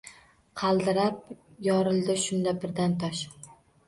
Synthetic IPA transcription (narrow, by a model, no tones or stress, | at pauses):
qʰɑlˠd̪ɪɾap̚jɒɾɪlˠd̪ɪʃʊnd̪abɪɾd̪ant̪ʰɒʃ